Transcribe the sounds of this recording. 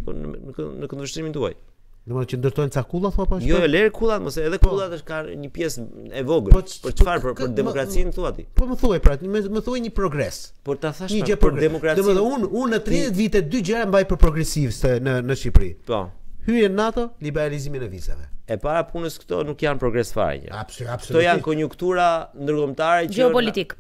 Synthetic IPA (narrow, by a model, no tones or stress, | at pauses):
pɔ̰nnənəkɔnvɛʃt̪ɾimind̪ua̰j | nd̪ɔməðt͡ʃənd̪əɾt̪ɔjnt͡sakulˠaθuapɔaʃjɔɔlɛɾkʰulˠat̪məsɛɛðɛkulˠat̪əʃkaɲəpjɛsɛvɔɡəpɔpəɾt͡ʃəfaɾpɾkəɾd̪ɛmɔkɾat͡sinθuat̪ḭpɔməθuajpɾamməθuajɲəpɾɔɡɾɛs | pɔɾt̪aθaʃɲəɛpɔɾd̪ɛmɔkɾad̪ɔməðɔununːət̪ɾiɛt̪vit̪ɛd̪yd͡ʒɛɾambajpəɾpɾɔɡɾɛsivt̪ɛnənəʃipɾḭpɔ̰hyjɛnːat̪ɔlibɛɾaliziminəvizɛ̰vɛ̰ɛpaɾapʰunəskt̪ɔ̰nukjanpɾɔɡɾɛsfa̰ɾ̰ɲɛ̰a̰bsabsɔt̪ɔjankɔɲukt̪uɾand̪əɾkɔmt̪aɾɛd͡ʒɛɔpɔlit̪ik